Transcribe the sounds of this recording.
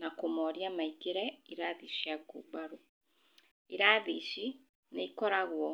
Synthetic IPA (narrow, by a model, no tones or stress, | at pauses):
nakomɔɾjaːmaikiɾɛiɾaðiʃiaɡṵɡ͡baɾu | iɾaːðiʃi | neikɔɾaɣwɔ